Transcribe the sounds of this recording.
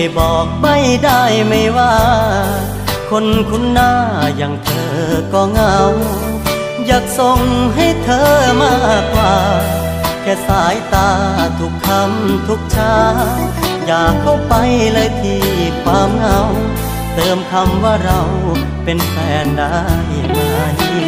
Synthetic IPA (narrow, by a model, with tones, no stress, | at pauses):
jbɔː˨˩k̚ba˧˩jdaː˥˧˩jma˧˩jwaː˧˩ | kʰo˧˥nkʰu˧˥˨nːaː˧˩jaː˨˩ŋt̪ʰɤː˧kɔː˧ŋa˧w | jaː˨˩k̚so˧ŋɦa˥˩jt̪ʰɤː˧maː˧˥˩k̚waː˧˩ | t̪ʰɛː˧saː˨˦jt̪aː˧t̪ʰu˧˥kʰːa˧˥mt̪ʰu˦˥k̚t͡ɕʰaː˧˥ | jaː˨˩kʰːa˧˥˩wpa˧jlɤː˧jt̪ʰiː˧kʰwaː˧mŋa˧˩w | t̪ɤː˧mkʰa˧mwaː˧˩ɾa˧w | pe˧npʰɛː˨˧˩nda˧˥˩j | ma˧˩j